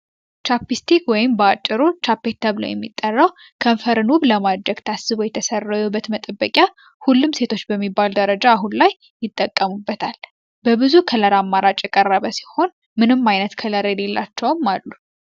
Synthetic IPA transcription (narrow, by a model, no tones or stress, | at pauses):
t͡ʃapːist̪ʰikwɔjɪmbəat͡ʃʼːɨɾut͡ʃʰapːet̪ʰːəβlo̰jɛ̰mːḭt̪ʼːərːaw | kʰəmfəɾɨnuβləmad̪ɾəɡt̪ʰasːɨβojɛt̪ʰəsərːajɛbət̪mət̪ʼəbːəkʼja | hulːumse̞t̪ʰo̞t͡ʃːbəmːibːald̪əɾəd͡ʒaːɦunlajːɪt̪ʼːəkʼːəmubːət̪ʰal | bəβɨzukʰələɾamːaɾat͡ʃʼjɛkʼərːəβəsi̥ho̞n | mɨnɨmːajnət̪kʰələɾjɛle̞lːa̰t͡ʃːɛwmːalːu